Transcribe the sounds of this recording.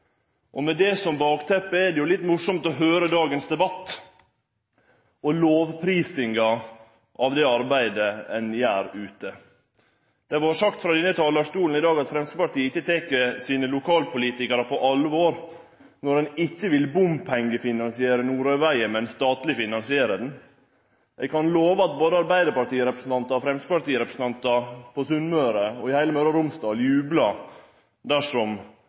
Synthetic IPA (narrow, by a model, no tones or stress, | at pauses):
ʔɔmɛd̪ɛsɔmbɑːkt̪ʰɛpːəɛɖɛjʊlɪt̪ːmʊʂɔmt̪ɔɦøːɾəd̪ɑːɡənsd̪ɛbɑt̪ː | ɔloːʋpʰɾiːsɪŋɡɑ | ʔɑʋd̪ɛɑɾbæɪd̪əɛnjæːɾʉːt̪ə | d̪̥ɛʋɑɾʂɑkt̪fɾɑd̪ɛnːət̪ʰɑːlɑʂt̪uːln̩ɪd̪ɑːɡɑt̪fɾɛmskəpɑʈiːəɪçːət̪ʰɛkəsiːnəlʊkʰɑːlpʊliːt̪ɪkəɾəpʰɔʔɑlːəʋoːɾ | nɔɾɛnɪçːəʋɪlbʊmpʰɛŋɡəfɪnɑnsɪeːɾənuːɾœʏʋæɪəmɛnst̪ɑːt̪lɪfɪnɑnsɪeːɾəd̪n | ʔɛɡkʰɑnloːʋəɑt̪̚boːd̪əɑɾbæɪd̪əɾpɑʈiːəɾɛpɾəsn̩t̪ɑnt̪əɔfɾɛmst̪əpɑʈiːəɾɛpɾəsn̩t̪ɑnt̪ɑpʰɔsʉnmøːɾəɔɪhæɪləmœːɾɑɾʊmst̪ɑːljʉːblɑ | d̪æʂɔm